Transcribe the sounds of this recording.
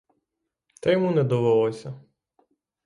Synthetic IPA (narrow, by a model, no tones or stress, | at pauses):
t̪ɾɛjmunɛd̪ɔʋɛlˠɔsʲɐ